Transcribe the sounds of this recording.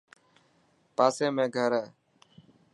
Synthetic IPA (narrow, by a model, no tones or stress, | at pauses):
paːsẽːmẽːɡʱəɾɛː